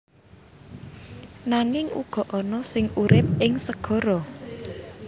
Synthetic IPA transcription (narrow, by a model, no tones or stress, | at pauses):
naŋɪŋṵɡ̥ɔ̤ʔɔnɔsɪŋuɾʔɪp̚ɪŋsəɡ̥ɔ̤ɾɔ